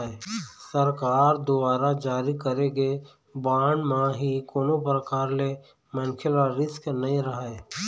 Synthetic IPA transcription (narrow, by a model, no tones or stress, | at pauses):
esəɾkaːɾd̪ʊbaːɾad͡ʒaːɾikəɾeɡe | baːɳmãɦikoːnopɾəkaːɾle | mənkʰɪlaɾɪsknəĩɾəɦae